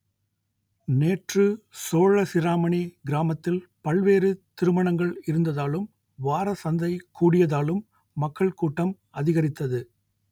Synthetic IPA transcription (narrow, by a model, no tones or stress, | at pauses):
neːʈrɯsoːɻɐsɪɾaːmɐɳiɡɪɾaːmɐt̪ːɪlpɐɭʋeːɾɯt̪ɪɾɯmɐɳɐŋɡɐɭɪɾɯnd̪ɐðaːlɯm | ʋaːɾɐsɐnd̪ɐɪkuːɽɪjɐðaːlɯmː | ɐkːɐɭkuːʈːɐm | ɐðɪɣɐɾɪt̪ːɐðɯ